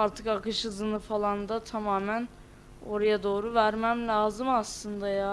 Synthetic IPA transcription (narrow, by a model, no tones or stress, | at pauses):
aɾt̪ʰɯkakɯʃɯzɯnɯfalˠand̪at̪ʰamaːmæn | o̞ɾajad̪o̞ːɾuvæɾmæmlʲaːzɯmaslˠɯnd̪ajaː